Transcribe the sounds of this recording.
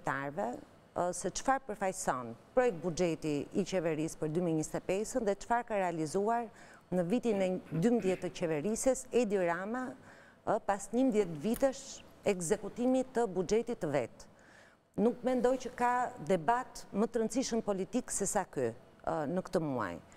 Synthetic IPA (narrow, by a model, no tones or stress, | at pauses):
t̪aɾvɛ | sɛt͡ʃfaɾpəɾfajsɔnpɾɔjɛk̚t̪̚bud͡ʒɛt̪iːt͡ʃɛvɛɾispəɾd̪ymiɛɲist̪ɛpɛsənðɛt͡ʃfaɾkaɾɛalizuaɾ | nəvit̪inɛd̪ymðjɛt̪ət͡ʃɛvɛɾisɛsɛd̪iɾama | pasɲəmðjɛt̪vit̪ɛʃɛɡzɛkut̪imit̪əbud͡ʒɛt̪it̪ːəvɛ̰t̪ | nukmɛnd̪ɔjcəkad̪ɛbat̪mət̪əɾənt͡siʃəmpɔlit̪iksɛsaky | nəkt̪əmua̰j